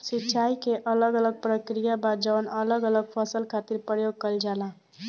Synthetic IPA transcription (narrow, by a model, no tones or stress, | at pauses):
sitːt͡ʃʰajkeʔʌləɡələɡ̚pɾəkɾijabad͡ʒʌwənʌləɡʌləɡ̚pʰʌsəlkʰat̪iɾpɾəjoɡ̚kʌld͡ʒalã